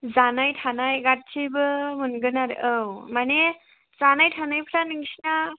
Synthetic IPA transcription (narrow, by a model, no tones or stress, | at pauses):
zanajʈʰanajɡat̚t͡ʃʰibɯmənɡɯnaɾəwmane | zanajtʰanajpʰɾanɯŋsna